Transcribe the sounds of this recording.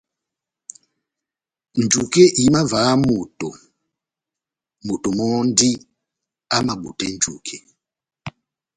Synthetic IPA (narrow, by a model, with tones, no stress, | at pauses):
n˨d͡ʒu˨kɛ˦ʔi˨˦ma˦va˨˦mu˨tɔ˨ | mu˨tɔ˨mɔ˦ndi˦ | a˦ma˨ɓu˨tɛ˦nd͡ʒu˨kʰɛ˨